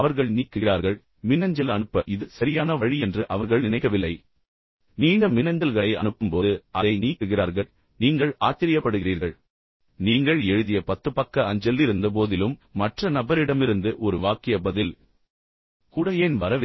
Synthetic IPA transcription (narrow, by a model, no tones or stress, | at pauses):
ɐʋɐɾɣɐɭniːkːɯraːɾɣɐɭ | mɪnːɐɲd͡ʒɐlɐnɯpːɐʔɪðɯsɐɾɪjaːnɐʋɐɻiɛndrɯʔɐʋɐɾɣɐɭnɪnɐɪkːɐʋɪlːɐɪ | niːnɡɐmɪnɐɲd̪ɐlɣɐɭɐɪʔɐ̰ɳɯpːɯmpoːðɯʔɐðɐɪniːkːɯɣɪɾaːɾɣɐɭ | niːŋɡɐɭaːt͡ʃːɪɾɪjɐpːɐɽɯɣɪriːɾɣɐɭ | niːŋɡɐɭɛɻɯðɪjɐpɐt̪ːɯpɐkːɐɐɲd͡ʒɛlːɪɾɯnd̪ɐp̬oːðɪlɯmːɐʈrɐnɐbɐɾɪɽɐmɪɾɯnd̪ɯʔɔɾɯʋaːkɪjɐbɐðɪl | kuːɽɐjeːnʋɐɾɐʋɪ